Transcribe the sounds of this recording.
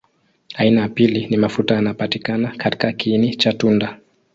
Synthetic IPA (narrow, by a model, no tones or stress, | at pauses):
ainajapilinimafutajanapatikanakati̥kakinit͡ʃatunda